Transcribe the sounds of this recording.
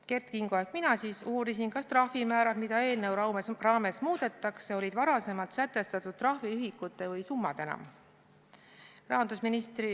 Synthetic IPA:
ke̞rt̪̚kiŋɡ̥oekminɑsiːsuːɾisinkɑst̪rɑhvimæːɾɑd̪̥mid̪̥ɑe̞ːlnewerɑːme̞smuːd̪̥e̞t̪ːˑɑkseo̞lʲid̪vɑɾɑse̞mɑlt̪sæt̪ːˑe̞st̪ɑt̪ːˑud̪̥̚t̪ːrɑhviyɦikːut̪ːˑe̞vɤjsumːɑd̪̥e̞nɑ̰m | rɑɦɑnd̪usminist̪ri

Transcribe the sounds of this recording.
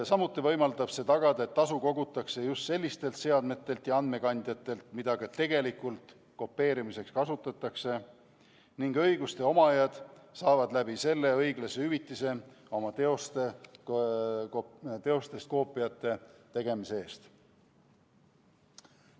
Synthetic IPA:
sɑmut̪ːˑivɤ̞jmɑld̪ɑb̥se̞ːt̪ɑɡ̥ɑd̪̥ɑet̪ːɑsuko̞ɡut̪ːˑɑkse̞just̪se̞lʲːist̪e̞lt̪se̞ɑd̪me̞t̪ːˑe̞lt̪jɑɑnd̪me̞kɑnd̪̥jɑt̪ːˑe̞lt̪mid̪̥ɑɡ̥ɑt̪e̞ɡ̥e̞likult̪ | ko̞pːe̞ːɾimise̞kskɑsut̪ːˑɑt̪ːˑɑkse̞ | niŋɡɤ̞jɡust̪e̞o̞mɑɑjɑd̪̥sɑːvɑd̪læbise̞lːe̞ɤjɡlɑseyvit̪ːˑise̞ | o̞mɑt̪eost̪e | t̪e̞o̞st̪e̞st̪̚ko̞ːpːˑijɑt̪ˑːe̞t̪e̞ɡ̥e̞misee̞ːst̪

